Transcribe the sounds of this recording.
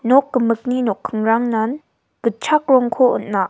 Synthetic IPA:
nɔkːəmək̚ninɔkʰːəŋɹaŋnan | kət͡ʃʰak̚ɾɔŋkʰoʔə̰nnaʔ

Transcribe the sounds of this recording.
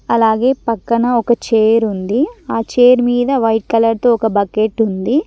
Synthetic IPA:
ɐlaːɡe̞ːpɐkːɐnɐɔkɐt͡ʃeːɾund̪iaːt͡ʃeːɾmiːd̪ɐʋɐjʈ̚kɐlɐɾt̪oːɔkɐbɐkeʈund̪i

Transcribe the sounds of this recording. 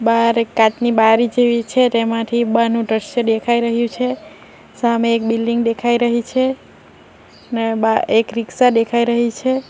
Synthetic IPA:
baɾekːat̪nibaɾid͡ʒeʋit͡ʃʰet̪emãt̪ʰibanũɖ̪ɾəʃəd̪ekʰaiɾəɦjũt͡ʃʰe | sameːkbilɖiŋɡd̪ekʰaiɾəɦit͡ʃʰe | nebaekɾiksad̪ekʰaiɾəɦit͡ʃʰe

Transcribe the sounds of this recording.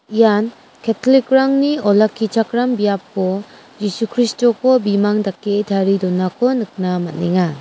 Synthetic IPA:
ijan | kʰetʰɔlikɾaŋniɔlakʰːit͡ʃʰakɾambijap̚kɔ | d͡ʒisukʰɾistɔkɔbimaŋdakːetʰaɾidɔnːakʰɔnɯk̚namat̚neŋa

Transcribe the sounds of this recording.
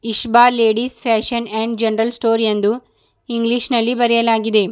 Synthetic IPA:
iʃbaːleːɖispʰæːʃɐneːɳɖd͡ʒenɐɾɐlsʈoːɾijend̪u | iŋɡliʃnɐlːibɐɾɛjɐlaːɡid̪e̞

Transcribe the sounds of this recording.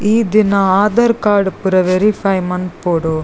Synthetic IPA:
iːd̪ɪnaaːd̪ɐɾkaːɾɖpɯɾɐʋɛɾipʰɐjmɐnpoːɽoː

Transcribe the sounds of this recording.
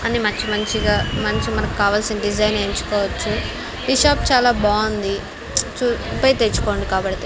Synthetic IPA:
ɐnimɐɲt͡ʃimɐnt͡ʃiɡaːmɐnt͡ʃimɐnɐkikaːʋaːlsinɐɖid͡ʒɐjneːɲt͡ʃu̥kɔːʋɐt͡ʃːu | biʃaːpt͡ʃaːlaːbaːɐnd̪i | t͡ʃuupɐjt̪eːt͡ʃːu̥ko̞ːɳɖikaːbɐɽt̪e

